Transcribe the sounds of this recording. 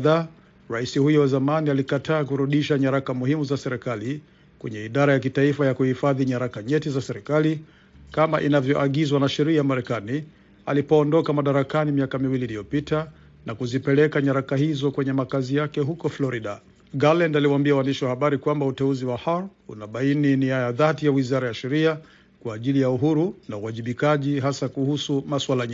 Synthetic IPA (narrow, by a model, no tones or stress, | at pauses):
ða | ɾaisihujɔwazamanialikatʰaːk̬uɾuɗiʃaɲaɾakamuhimuzasɛɾɛkali | kwɛ̰ɲɛiɗaɾajakitaifajakuhifaðiɲaɾakaɲɛtizasɛɾikali | kamaʔinavjɔʔaɠizwanaʃɛɾiajamaɾɛkani | a̰lipɔːndɔkamaɗaɾakanimiakamiwiliːlijɔpita | nakuzipɛlɛkaɲaɾakahizɔkwɛɲɛmakazijakɛɦukɔflɔɾiɗa | ɡalandaliwaːmbiawandiʃiwahaɓaɾikwambautɛuziwahalṵnaɓaininiajaðatijawizaɾajaʃɛɾia | kwaːʄilijauɦuɾunauwaʄiɓikaʄiɦasakuhusumaswalaɲɛ